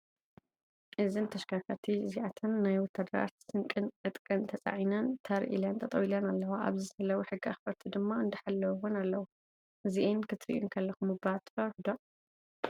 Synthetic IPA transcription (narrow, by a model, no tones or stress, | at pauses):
ʔɨzɨnt̪ʰɐʃkʰakʰat̪ʰiziʕat̪ʰɨnːajwɔt̪ʰːad̪ɐɾa̰t̪sɨŋkʼɨnʔɨt̪ʼkʼɨnt̪ʰɐt͡sʼa̰ʕinɐnt̪ʰɐɾʔḭlɐnt̪ʰɐt̪ʼɐwilɐnalːɐwaʔa̰βzɨɐlɐwuħɨɡːia̰xfɐɾt̪ʰid̪ɨmːaɨnd̪ɨħalːɐwwɔnalːɐwu | ʔɨziʔenkʰɨt̪ɾḭʔṵŋkʰɐlːɐxumɨbat̪fɐħd̪o